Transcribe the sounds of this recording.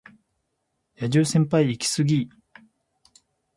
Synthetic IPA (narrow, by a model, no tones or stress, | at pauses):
jad͡ʑɨːsẽ̞mpaiːkʲi̥sɨɡʲi